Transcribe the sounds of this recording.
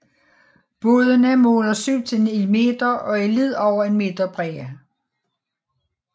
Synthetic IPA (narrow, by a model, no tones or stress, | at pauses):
b̥o̝ːðˠənæmo̰ːlɐsyʊ̰t͡sʰenelme̝̰d̥ɐɒ̽ælið̰ˠɒʊ̰ɐe̝nme̝d̥ɐb̥ʁɛɐ